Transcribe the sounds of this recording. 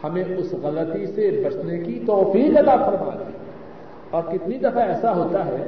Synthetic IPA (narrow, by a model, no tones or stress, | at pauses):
hɐmẽʊsɣɐlət̪isebɐsnekit̪ɔːfiːqɐt̪afɐɾma̰ːd̪ḭ | ɔːɾkɪt̪nid̪ɐfaɛːsaɦoːt̪aɦɛː